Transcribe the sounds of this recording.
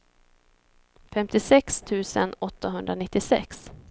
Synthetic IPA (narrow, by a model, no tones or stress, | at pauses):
fɛmt̪ɪsɛkst̪ʰʉ̟ːsə̰nɔt̪ːaɦɵnd̪ɾanɪt̪ːɪsɛ̰ks